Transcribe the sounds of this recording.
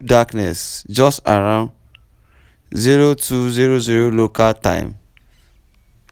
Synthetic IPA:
daknɛ̰sd͡ʒɔsta̰ɾãʊ̃n | ziɾotʰuziɾoziɾolokaltã̰ɪm

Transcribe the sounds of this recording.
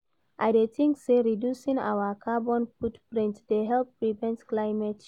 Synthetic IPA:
ʔajdetĩŋkseɹidjusĩŋa̰wəkʰabɔ̃nfutpɹĩntdeɦɛlpːɹivɛ̃ntklaɪmɛt

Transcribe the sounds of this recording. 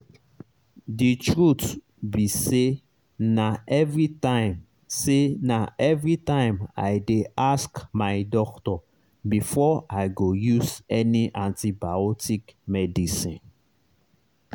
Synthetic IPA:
ditɹut | bise | naʔɛvɹitãɪ̃m | senaɛvɹitãɪ̃ma̰jdeʔaskmaɪdɔktɔ | bifɔaɪɡojuzɛniʔãntibaɔtikmɛdisĩn

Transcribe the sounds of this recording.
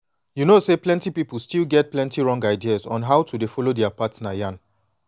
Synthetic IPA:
junoseplɛ̃ntipipəlˠstilɡɛt̚plɛ̃ntiɹɔ̃ŋɡaɪdiazɔ̃nɦaʊtʰudefɔlodɛapatsnajãn

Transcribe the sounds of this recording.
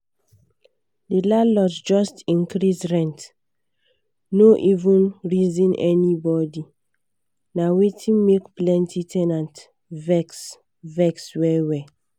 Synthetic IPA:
dilalɔtd͡ʒɔstĩnkɹisɹɛ̃nt | noʔivũnɹizĩnʔɛ̰nibɔdi | nawetʰĩmekplɛ̃ntʰitʰɛnãnt | vɛks | vɛkswɛwɛ

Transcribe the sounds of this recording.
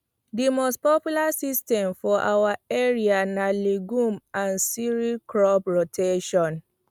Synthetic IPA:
dimostpɔpjulasistɛ̃mfɔʔa̰waɛɹianaleɡũmãnsiɹikɹɔbɹotʰeʃɔ̃n

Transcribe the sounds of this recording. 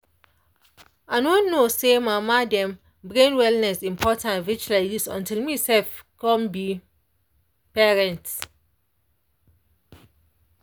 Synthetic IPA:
aɪnõnnːosemamadɛ̃m | bɹẽnwɛlnɛsĩmpʰɔtãnvit͡ʃladisɔ̰̃ntilmisɛlfkɔ̃mbi | pɛɹɛ̃nt

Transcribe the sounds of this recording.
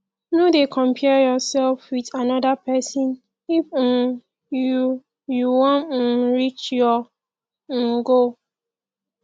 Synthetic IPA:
nodekʰɔ̃mpʰɛjɔsɛlfwiðanɔdapʰɛsɔ̃n | if | ju | juwɔ̃nɹit͡ʃjɔ̃ | ɡo

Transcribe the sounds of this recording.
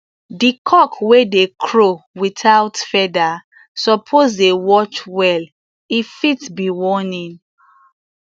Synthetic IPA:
dikʰɔkwedekʰɹowitʰawtfɛda | sɔpʰozdewɔt͡ʃwɛl | ifitbiwɔnĩn

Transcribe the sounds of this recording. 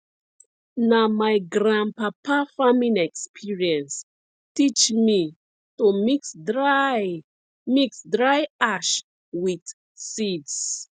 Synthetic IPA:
namajɡɾãnpapafamĩnɛkspʰiɹiɛ̃ns | tit͡ʃmi | tumiksd | miksdɹajaʃ | wid | sids

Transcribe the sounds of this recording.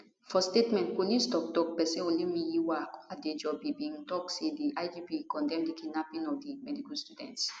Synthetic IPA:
fɔstetmɛ̃nt̚polĩstɔk̚tɔk̚pɛsɛ̃õnlimijiwakaded͡ʒɔbibĩntɔksediʔajd͡ʒipikɔ̃ndɛ̃mdikʰinapĩnɔfdimɛdikustudɛ̰̃nts

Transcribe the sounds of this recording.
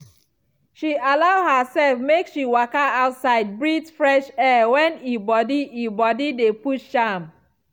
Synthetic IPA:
ʃialaʊhəsɛlfmekʃiwakaaʊtsaɪd̚bɹitfɹɛʃɛwɛ̃nibɔdiʔibɔdidepuʃʃãm

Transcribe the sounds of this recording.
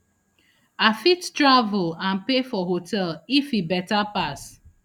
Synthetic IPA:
afittɹavʊlãnpefɔɦotʰɛlifibɛtapas

